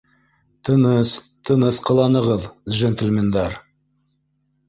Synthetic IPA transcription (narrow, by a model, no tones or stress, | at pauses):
t̪ʰənəst̪ʰənəsqʰəlˠɑnəʁəlˠʒent̪ɪlmend̪ɑɾ